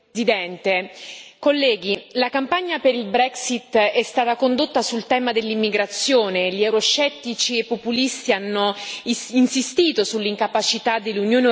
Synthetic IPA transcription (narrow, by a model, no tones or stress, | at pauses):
zid̪ɛnt̪ekolːɛːɡilakampaɲːapeɾilbɾɛksit̪ːɛst̪aːt̪akond̪ot̪ːasult̪ɛːmad̪elːimːiɡɾat̪sːjoːneʎiɛwɾost͡ʃɛt̪ːit͡ʃiepːopulist̪ianːoinsist̪iːt̪osulːiŋkapat͡ʃit̪ad̪elːunjoːne